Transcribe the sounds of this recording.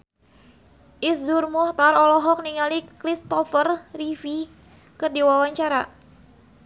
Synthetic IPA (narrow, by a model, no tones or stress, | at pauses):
ʔisdurmɔht̪aɾɔlɔɦɔk̚niŋalikɾist̪ɔfərrifi | kɨrdiwawaɲt͡ʃaɾa